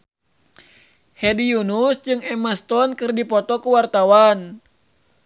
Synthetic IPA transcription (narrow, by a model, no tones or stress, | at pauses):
hɛdijunusd͡ʒɨŋɛmast̪ɔnkɨrdipɔt̪ɔkuwart̪awan